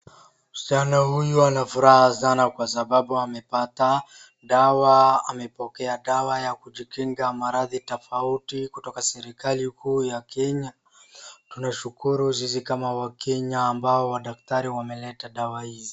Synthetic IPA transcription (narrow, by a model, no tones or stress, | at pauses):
sanahujuanafuɾahasanakwasaɓaɓuamɛpata | ɗawaa̰mɛpɔkɛaɗawajakuʄikiŋɡamaɾaðitɔfautikutɔkasɛɾikalikuːjakɛɲa | tunaʃukuɾuzizikamawakɛɲaːmbaɔwaɗak̚taɾiwamɛlɛtaɗawahizi